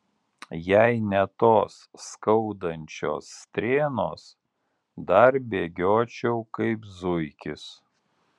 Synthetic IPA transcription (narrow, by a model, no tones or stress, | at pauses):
jæɪnʲɛt̪oːsːkɒʊd̪ɐnʲt͡ʃʲo̰ːsːt̪ʲɾʲeːnoːs | d̪ɐɾbʲeːɡʲoːt͡ʃʲɛʊkɐɪpzʊɪkʲɪs